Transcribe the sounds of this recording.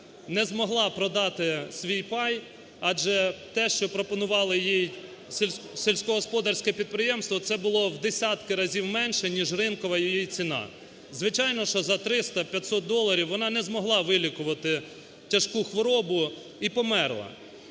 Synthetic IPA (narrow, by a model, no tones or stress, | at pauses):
nɛzmɔɦlˠɑpɾɔd̪ɑt̪ɪsʲʋʲijpɑj | ɑd͡ʒɛt̪ɛʃt͡ʃɔpɾɔpɔnʊʋɑlˠɪjijʲ | selʲsʲkɔɦɔspɔd̪ɐrsʲkɛpʲid̪̚pɾɪjɛmst̪ʋɔt̪sɛbʊlˠɔwd̪esʲɑt̪kɪɾɐzʲiwmɛnʲʃɛnʲiʒrɪnkɔʋɐjijit͡sʲinɑ̰ | zʋɪt͡ʃɑjnɔʃt͡ʃɔzɐt̪ɾɪst̪ɐpʲjɐt̪ʲsɔt̪̚d̪ɔlˠːɐɾʲiwʋɔnɑnɛzmɔɦlˠɑʋɪlʲikʊʋɐt̪ɪ | tʲɐʃkuxʋɔɾɔbʊ | ipɔmɛrlˠɐ̰